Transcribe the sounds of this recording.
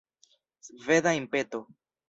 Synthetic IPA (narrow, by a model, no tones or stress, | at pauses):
sved̪aimpet̪o